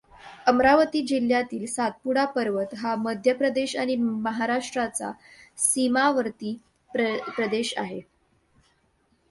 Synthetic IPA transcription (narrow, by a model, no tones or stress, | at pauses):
əmɾaʋət̪iːd͡ʑil̤ːjat̪iːlsat̪̚puɽapəɾʋət̪ɦaməd̪ʱjəpɾəd̪eɕaɽ̃iməɦaɾaʂʈɾat͡sa̰simaʋəɾt̪iː | ppɾəd̪eɕa̰ɦe